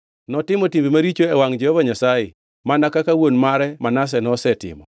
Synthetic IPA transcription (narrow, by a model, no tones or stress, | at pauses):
nɔtɪmɔtimbimaɾit͡ʃoɛwaŋd͡ʒɛhɔvaɲasaje | manakakawonmaɾɛmanas̬ɛnɔsɛtɪ̰mɔ̰